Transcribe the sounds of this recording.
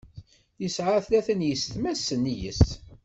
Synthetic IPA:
θisʕaθlæθənjəst̪mæsːənːijə̰s

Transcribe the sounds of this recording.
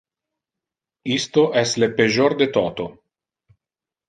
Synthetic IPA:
ist̪oʔɛst̪lepeʒoɾd̪et̪ɔt̪o

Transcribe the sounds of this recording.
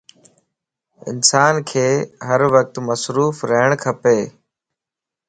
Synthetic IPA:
ɪ̰nsaːnkʰeːɦəɾʋək̚t̪məsɾuːfɾəɦɪɽ̃kʰəpeː

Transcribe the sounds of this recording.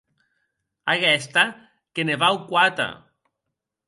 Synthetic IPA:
aɣɛst̪a | keneβawkwat̪a̰

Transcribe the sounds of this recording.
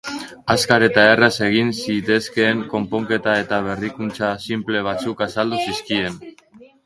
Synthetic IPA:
askaɾe̞t̪aerase̞ɣ̞insit̪e̞ske̞ːŋko̞mpo̞ŋke̞t̪ae̞t̪aβ̞e̞rikunt͡sasimple̞β̞at͡sukasald̪usiskie̞n

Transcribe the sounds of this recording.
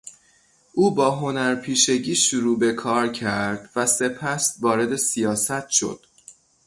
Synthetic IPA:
ʔuːbɒːɦo̞næɾpʰiːʃe̞ɟiːʃuɾuːbe̞kʰɒːɾcʰæɾd̪væse̞pʰæsvɒːɾe̞d̪e̞sijɒːsæt̪ʰʃo̞̰d̪̥

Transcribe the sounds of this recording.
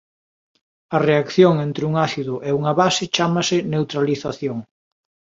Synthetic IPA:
ɐreakθjoŋent̪ɾɪuŋaθiðʊʔeuŋɐβasɪt͡ʃamɐsɪnewt̪ɾaliθaθjoŋ

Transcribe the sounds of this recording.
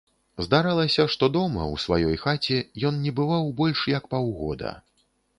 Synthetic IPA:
zd̪aɾalˠɐsʲɐʂt̪ɔd̪ɔmɐ̰wsva̰jɔjxat͡sʲɛjɔnnʲɛbɨvawbɔlʲʂjɐkpawɣɔ̰d̪ɐ̰

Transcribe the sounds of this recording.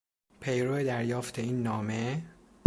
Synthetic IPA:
pʰe̞jɾoed̪æɾjɒːft̪ʰe̞iːnːɒːme̞

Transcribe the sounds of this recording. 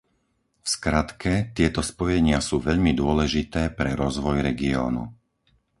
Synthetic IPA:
fskɾat̪kɛt̪ɪɛt̪ɔspɔjɛɲɪasuːʋɛʎmid̪ʊɔlɛʒit̪ɛːpɾɛɾɔzʋɔjɾɛɡiɔ̰ːnṵ

